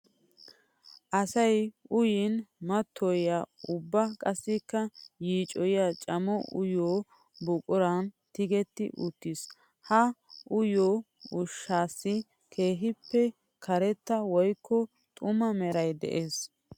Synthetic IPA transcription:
ʔɐsɐjʊjɪnmɐt̪ʰːɔjaʊbːɐkʼɐsːɪkːɐjiːt͡ʃʼɔjjaːt͡ʃʼɐmɔʔʊ̰joː | bʊkʼʊɾɐn | t̪ɪɡɛt̪ːɪ̰ʔʊt̪ːis | hɐʔʊjoː | ʊʃːaːsːɪ | kʰe̞ːɦɪpːɛ | kʰɐɾɛt̪ːɐwɔjkːɔ | t̪ʼʊmɐmɛɾɐjd̪ɛ̰ʔeːs

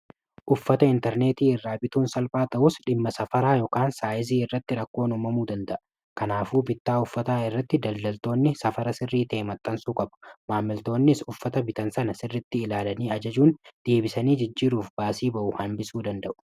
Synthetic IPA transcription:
ʔʊfːɐt̪ɐɪnt̪ɛɾne̞ːt̪iːɪrːaːbɪt̪uːnsɐlfʼaːt̪ɐʔʊsᶑɪmːɐsɐfɐɾaːjɔːkaːnsaːjɪziːɪrːɐt̪ːɪɾɐkːo̞ːnʊmɐmuːd̪ɐnd̪ɐʔɐ | kɐnaːfuːbɪt̪ːaːʊfːɐt̪aːɪrːɐt̪ːɪd̪ɐld̪ɐlt̪o̞ːnːɪsɐfɐɾɐsɪrːiːt̪eːmɐt̪ʼːɐnsuːkʼɐbʊ̥maːmːɪlt̪o̞ːnːɪsʊfːɐt̪ɐbɪt̪ɐnsɐnɐsɪrːɪt̪ːɪɪlaːlɐniːɐd͡ʒɐd͡ʒuːnd̪̥e̞ːbɪsɐniːd͡ʒɪd͡ʒːiːɾuːfbaːsiːbɐʔʊhɐnbɪsuːd̪ɐnd̪ɐʔʊ̥

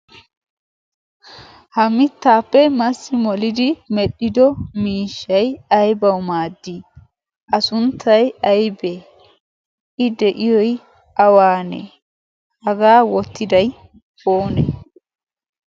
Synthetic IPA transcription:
hɐmɪt̪ːaːpːɛmɐsːɪmɔlɪd̪ɪmɛɗːɪd̪ɔmiːʃːɐjɐjbɐwmaːd̪ːi | ʔɐsʊnt̪ʰːɐjɐjbe | ɪd̪ɛʔɪjɔj | ʔɐwaːnḛ | hɐɡaːwɔt̪ːɪd̪ɐj | foːnḛ

